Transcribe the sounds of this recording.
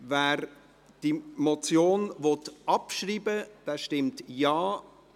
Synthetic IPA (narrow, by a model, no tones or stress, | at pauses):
vɛːɾ | d̥imɔt͡sjoːnvɔtɑpʃriːbəd̥ɛːʃtɪmtjɑː